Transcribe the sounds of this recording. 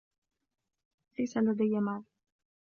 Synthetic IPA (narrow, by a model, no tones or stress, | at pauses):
lajsalad̪ajːamaːl